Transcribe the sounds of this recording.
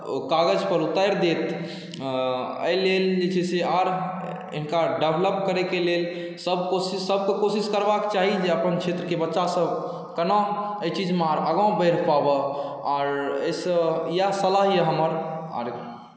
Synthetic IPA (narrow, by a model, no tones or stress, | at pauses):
kaɡəd͡ʒpəɾut̪aɾd̪et̪ | ə̰jleld͡ʒet͡ʃʰɛseaɾ | ɪ̰nkaɖebləp̚kəɾekelel | səb̚ʱkosisəbʱkekosiskəɾbakt͡ʃaɦid͡ʒeəpənkʰet̪ɾəkebətːʃasəbʱ | kəno | əjt͡ʃid͡ʒmaɾəɡãbəɪɾpabəaɾə̰səjasəlaɦjəɦəməɾa̰ɾet̪